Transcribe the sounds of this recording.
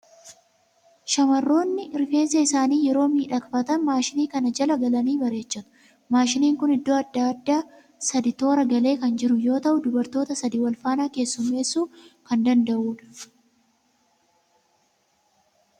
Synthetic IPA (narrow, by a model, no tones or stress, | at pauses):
ʃɐmɐrːo̞ːnːɪɪɾfe̞ːnsɐɪsaːniːjɛɾo̞ːmiːᶑɐkfɐt̪ɐnmaːʃɪniːkɐnɐd͡ʒɐlɐɡɐlɐniːbɐɾe̞ːt͡ʃːɐt̪ʊ̥ | maːʃɪniːŋkʊnɪd̪ːo̞ːɐd̪ːaːd̪ːaː | sɐd̪ɪt̪o̞ːɾɐɡɐle̞ːkɐnd͡ʒɪɾʊjo̞ːt̪ɐʔʊd̪ʊbɐɾt̪o̞ːt̪ɐsɐd̪iːwɐlfaːnaːke̞ːsːʊmːe̞ːsːuːkɐnd̪ɐnd̪ɐʔuːᶑɐ̥